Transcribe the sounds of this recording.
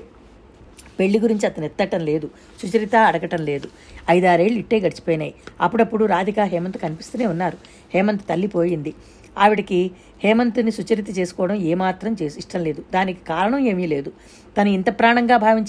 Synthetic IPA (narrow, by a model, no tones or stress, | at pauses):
pe̞ɭːiɡuɾiɲt͡ʃiɐt̪ɐnɛt̪ːɐʈɐmle̞ːd̪u | sut͡ʃɐɾit̪aːɐɽɐɡɐʈɐmle̞ːd̪u | ɐjd̪aːɾe̞ːɭuiʈːeːɡɐʈit͡ʃi̥pɔːjinaːjiɐpːuɽɐpːuɽuɾaːd̪ʱikaːɦɛːmɐnt̪u̥kɐnipist̪uːneːunːaːɾu | hɛːmɐnt̪u̥t̪ɐlːipoːjind̪i | aːʋiɽɐki | hɛːmɐnt̪unisut͡ʃɐɾit̪ɐt͡ʃe̞ːsu̥kɔːɽɐmeːmaːt̪ɾɐmt͡ʃeːsiʂʈɐmle̞ːd̪ud̪aːniki̥kaːɾɐɳɐme̞ːmiːle̞ːd̪u | t̪ɐnuint̪ɐpɾaːɳɐŋɡaːbʱaːʋiɲt͡ʃ